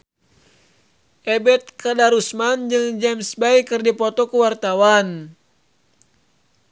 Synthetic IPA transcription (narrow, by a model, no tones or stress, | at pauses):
ʔɛbɛt̪̚kadaɾusmand͡ʒɨŋd͡ʒɛmsbaikɨrdipɔt̪ɔkuwart̪awan